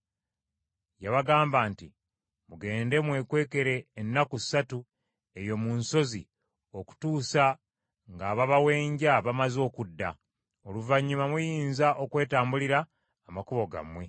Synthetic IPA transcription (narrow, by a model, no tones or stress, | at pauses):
jaβaɡaːmbaːnti | muɡe̞ːnde̞mwe̞kwe̞ːke̞ɾe̞ːnːaku̥satu | e̞jo̞munso̞zḭ | o̞ku̥tuːsa | ŋɡaːβaβawe̞ːɲɟaβamazo̞ːkudːa̰ | o̞luvaɲːumamujiːnzaʔo̞kwe̞ːtaːmbuliɾaː | makuβo̞ɡa̰mwe̞